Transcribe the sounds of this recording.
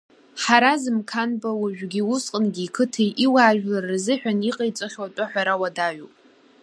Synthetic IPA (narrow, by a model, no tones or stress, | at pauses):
ħaɾazɨmkʰanbawaʒᶣɡʲiwʊsqʼənɡʲiːkʰɨtʰejʔiwaːʒᶣlarzɨħᶣaniqʼejt͡sʼaχʲwatʷʼaħʷᶣaɾawadaɥupʼ